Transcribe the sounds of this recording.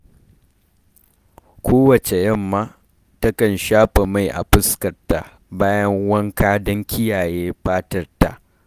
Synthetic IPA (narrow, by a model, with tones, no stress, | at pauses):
kʷʰoː˦wɐ˨t͡ʃe˨jɐ˦˨mːaː˦ | tɐ˦kɐ˨nʃaː˦ɸʼe˨ma˦˨jʔa̰˨ɸɪ˦skɐ˨rta̰˨ | baː˦jɐ˦ŋwɐ˦ŋkaː˦dɐ˦ŋkʲʰɪ˦jaː˨jeː˦ɸaː˦tɐ˦rta̰˨ʔ